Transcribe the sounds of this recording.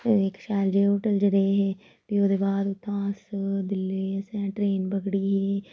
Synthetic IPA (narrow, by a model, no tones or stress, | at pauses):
ɪkʃaːld͡ʒeːoːʈəld͡ʒəɾeːɦeː | p̪iːoːd̪eːbaːd̪ʊt̪ʰːãːsd̪ɪlːeːsɛ̃ːʈɾeːnbəɡɽiːɦeː